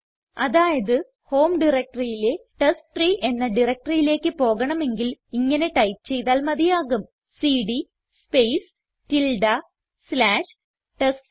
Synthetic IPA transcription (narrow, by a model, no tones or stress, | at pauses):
ɐðaːjɐðɨ | ho̞ːmɖirɐk̚ʈɐrijileʈɐsʈriːʔe̞nːɐɖirɐk̚ʈɐrijile̞ːkːɨpo̞ːɣɐɳɐme̞ŋɡiliŋːɐne̞ʈɐjpt͡ɕe̞jt̪aːlmɐðijaːɣum | siːɽi | spejs | tilɖɐ | slaːʂ | ʈɐs